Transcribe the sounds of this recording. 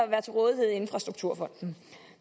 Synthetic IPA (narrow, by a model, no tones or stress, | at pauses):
ɒʋæːɐt͡sʰe̝lʁɔ̽ːð̞ˠie̝ð̞̰ˠe̝nfʁɑ̈sd̥ʁuɡ̥̚t͡sʰuɐ̰fɒ̽n̰d̥n̩